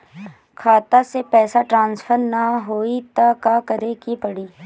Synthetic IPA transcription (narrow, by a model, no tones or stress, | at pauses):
kʰaːt̪asepɛːsaʈɾãːnsfʰəɾnaɦoːit̪akakəɾekipəɽiː